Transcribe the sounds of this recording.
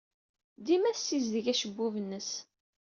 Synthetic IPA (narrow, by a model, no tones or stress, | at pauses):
d̪imæθsizðəʝæʃəbːuvənːəs